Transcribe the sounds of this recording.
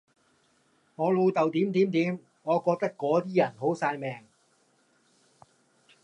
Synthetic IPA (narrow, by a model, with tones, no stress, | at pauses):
ŋɔː˨˧luː˧t̪a˨˩wt̪iː˨˥mt̪iː˨˥mt̪iː˨˥m | ŋɔː˨˧kɔː˧t̪a˥kːɔː˨˥t̪ʰiː˥˩ja˨˩nho˨˥wsaː˧jmɛː˨˩ŋ